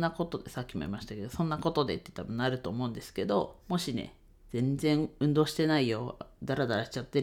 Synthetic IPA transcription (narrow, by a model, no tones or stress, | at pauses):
ako̞t̪o̞d̪e̞sakʲːimo̞̰ḭmaɕi̥t̪ake̞d̪o̞sõ̞nːako̞t̪o̞d̪e̞t̪ːe̥t̪abɯ̟̃naɾɯ̟t̪o̞ːmo̞ɯ̟nd̪e̞sɨ̥ke̞d̪o̞mo̞ɕinḛ | d͡z̥ẽ̞nzẽ̞ɰɯ̟̃nd̪o̞ːɕi̥t̪e̞naijo̞d̪aɾad̪aɾaɕi̥t͡ɕat̪ːe̞